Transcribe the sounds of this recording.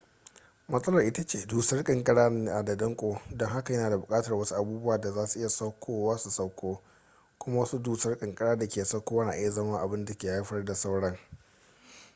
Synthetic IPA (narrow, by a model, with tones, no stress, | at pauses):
mɐ˦sʼɐ˦lɐ˨rʔɪ˦ta˦t͡ʃeː˨duː˨sɐ˦rkʼɐ˨ŋkʼɐ˦ɽaː˦n˦˨a˨da˨dɐ˦ŋkʷʼoː˦dɔ˦ŋɦa˦ka˨jɐ˦naː˨da˨bʊ˨kʼaː˦tɐ˨rwɐ˦su˦ʔa˨buː˦bʊ˦waː˨da˨zaː˦su˨ʔɪ˦ja˨sɐ˦wkʷʰoː˦waː˦su˨sɐ˦kʷoː˦ | kʷʊ˦ma˦wɐ˦su˦duː˨sɐ˦rkʼɐ˨ŋkʼɐ˦ɽaː˦da˨kʲeː˨˦sɐ˦kʷoː˦wɐ˦naː˨ʔɪ˦ja˨zɐ˦mɐ˦ŋʔa˨bɪ˦nda˨kʲeː˨ha˦ɸɐ˦rda˨sa˦wɽɐ˦ŋ